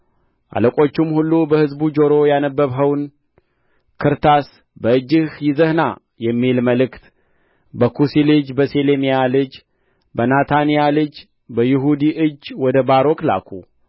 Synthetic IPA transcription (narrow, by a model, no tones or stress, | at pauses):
ʔa̰ləkʼo̞t͡ʃːɪmhulːubəhɨzbud͡ʒo̞ɾo̞janəbːəβɦəwn | kʰɨɾt̪ʰas | bəɨd͡ʒːɨhjɪzəhna | jɛmːilməlɨkt̪ | bəkʰusilɨd͡ʒbəselemijalɨd͡ʒ | bənat̪ʰanijalɨd͡ʒ | bəjɪɦud̪iʔɨd͡ʒːwɔd̪əbaɾo̞kla̰kʰu